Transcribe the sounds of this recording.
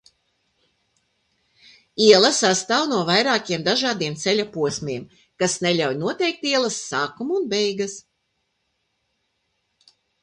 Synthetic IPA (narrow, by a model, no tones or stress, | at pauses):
iɛlˠɐsast̪aːwnuɔvajɾaːkʲiɛmd̪aʒaːd̪iɛmt̪sɛlʲapuɔsmʲiɛm | kasnɛʎʲawjnuɔt̪ɛjk̚t̪iɛlˠɐsːaːkumːnbɛjɡas